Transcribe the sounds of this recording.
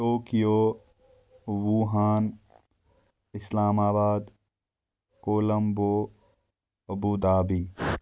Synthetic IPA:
oːkijoː | wuːɦaːn | ɪslaːmaːbaːd̪ | koːlɐmboː | ɐbuːd̪aːbiː

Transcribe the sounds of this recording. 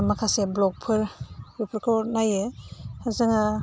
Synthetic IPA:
makʰaseblɔk̚pʰɯɾɾipʰɾkʰɔɾnajehazaŋa

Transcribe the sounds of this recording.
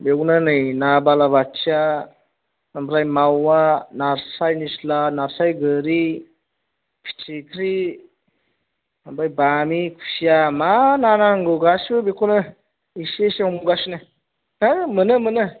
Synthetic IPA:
beɡnɯnɯjnabalaβat͡ʃia | ambɾajmawanaɾsajnislanaɾsajɡəɾi | pʰi̥t͡ʃʰikʰɾi | ambajbamikʰu̥sijamananaŋɡɯɡasɯbekʰonɯ | iseseɔmɡuɡasinɯ | amɯnɯmɯnɯ

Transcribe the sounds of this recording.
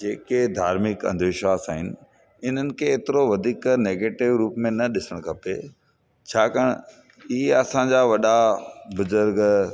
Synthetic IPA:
d͡ʑeːked̪ʱa̰ːɾmɪkɐ̰̃nd̪ʱʋɪʃʋaːsaːɦɪnɪ̆ | ɪn̤ənɪ̆kʰeːt̪ɪɾoʋɐd̪ʱiːkneːɡeːʈɪʋɾuːpmẽnɐɗɪsəɽ̃kʰɐpe | t͡ɕʰaːkəɽ̰̃ | ieɐsãɲd͡ʑaːʋɐɗabʊzʊɾɡ

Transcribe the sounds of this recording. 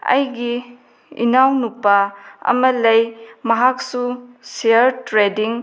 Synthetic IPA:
ɐ̰jɡi | ḭnawnupːaɐ̰mɐlɐjmɐɦak̚suseɐɾtɾediŋ

